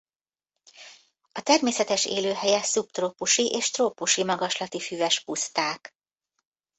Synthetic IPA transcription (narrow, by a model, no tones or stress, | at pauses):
ɒt̪ɛrmeːsɛt̪ɛʃḛːløːɦɛjɛsup̚t̪roːpuʃiʔeːʃt̪roːpuʃimɒɡɒʃlɒt̪ifyvɛʃpust̪aːk